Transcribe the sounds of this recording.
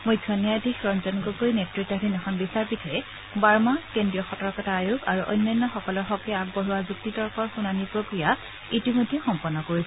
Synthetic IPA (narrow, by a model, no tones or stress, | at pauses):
mojdʰʱɔnjadʱikɹɔnzɔnkɔkojnetɹik̚tɔdinɛxʰɔnbisaɹpitʰɔɛ | baɹmakendɹijɔxɔtɔɹkɔtaːjukaɹuʔɔ̰jnːɔnːɔxɔkɔlɔɹxɔkɛak̚bɔɦuwazuk̚titɔɹkʰɔɹxunanipɹokɹija | itimojdʱːɛxɔmpɔnːɔkoɹis